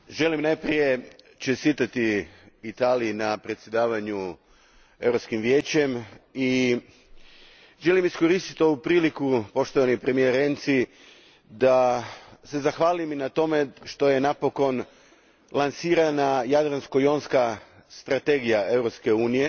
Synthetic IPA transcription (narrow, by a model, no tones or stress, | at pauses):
ʒe̞limnajpɾije̞ | t͡ʃest̪iːt̪at̪iit̪aːlijinapɾe̞t̪sjed̪aːʋaɲu | e̞ʋɾo̞pskimʋjeːt͡ɕe̞mi | ʒe̞limiskoɾist̪i̥t̪o̞ʋupɾiːlikupo̞ʃt̪o̞ʋanipɾe̞mijeɾent̪si | d̪ase̞zaxʋaːliminat̪o̞me̞ʃt̪o̞je̞napo̞ko̞n | lˠansiːɾanajad̪ɾanskojo̞nska | st̪ɾat̪e̞ɡijae̞ʋɾopske̞uːnije̞